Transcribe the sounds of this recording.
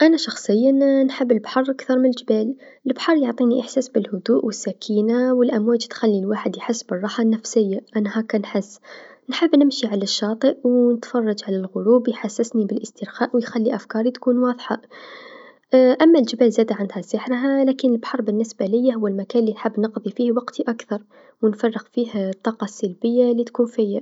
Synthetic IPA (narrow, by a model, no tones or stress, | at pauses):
ʔænaʃɑxsˤəjːanħəbːəlbħɑrˤʔakθɑɾˤmɪnəld͡ʒbæːləlbħɑɾˤjoʕt̪ˤiːniʔəħsæːsbɪlhʊd̪uːʔwɪsːækʰiːnawəlʔæmwæːd͡ʒt̪xælːilwaːħəd̪jħəsːbərˤːɑħɑnːæfsɪjːaʔænhakænħəsːnħəbːnɪmʃiʕalaʃːɑːt̪ˤəʔwnət̪fɑrˤːɑd͡ʒʕalælɣʊɾubjħasːəsnibəlʔəst̪əɾxæːʔwjxælːiʔæfkɑːɾˤit̪kuːnwɑðˤħɑ | ʔæmːæld͡ʒəbælzæd̪aʕand̪hæsəħɾɦælækənəlbħɑɾˤbənːəsbælɪjːaɦʊwːəlmækænlinħəbːnəqd̪ˤifihwɑqt̪iʔakθɑɾˤ | wənfɑrˤːɑɣfiht̪ˤːɑqɑsalbəjːalːit̪kuːnfija